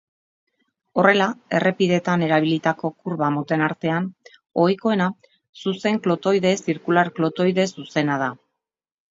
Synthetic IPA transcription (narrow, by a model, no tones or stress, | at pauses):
o̞re̞lae̞rʔe̞piðe̞t̪ane̞ɾaβ̞ilit̪ako̞kuɾβamot̪e̞naɾt̪e̞an | o̞jko̞e̞na | suse̞ŋklo̞t̪o̞jðe̞siɾkulaɾklo̞t̪o̞jðe̞suse̞nað̞a